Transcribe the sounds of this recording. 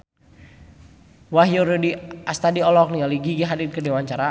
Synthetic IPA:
waɦjoɾodiast̪adiɔlɔk̚nialiɡiɡiɦadit̪̚kərdiwaɲt͡ʃaɾa

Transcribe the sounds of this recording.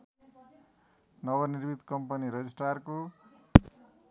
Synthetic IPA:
nʌbʌnirbit̪kʌmpʌniɾʌd͡zisʈarko

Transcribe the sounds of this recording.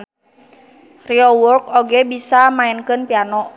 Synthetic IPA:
riowɔrkoɡɛbisamaɛnkɨnpianɔ

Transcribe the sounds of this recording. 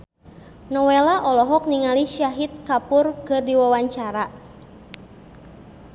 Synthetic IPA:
nɔwelaʔɔlɔɦɔk̚niŋaliʃaɦit̪̚kapʊrkərdiwawaɲt͡ʃaɾa

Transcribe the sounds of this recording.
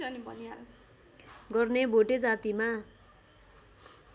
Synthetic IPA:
ʌnibʌnia | ɡʌrnebʱoʈed͡zat̪ima

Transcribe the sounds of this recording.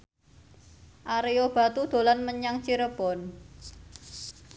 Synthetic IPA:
ʔaɾejob̥ä̤t̪ud̪̥o̤lanməɲaŋt͡ʃiɾəb̥ɔn

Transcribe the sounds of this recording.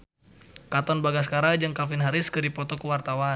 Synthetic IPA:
kat̪ɔnbaɡas̬kaɾad͡ʒaŋkalfinɦaɾɪskərdipɔt̪ɔkəwart̪awa

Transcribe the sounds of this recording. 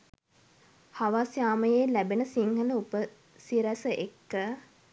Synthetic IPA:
haʋasjaːməjeːlæbenəsiŋhələupə | siɾæsəʔekːə

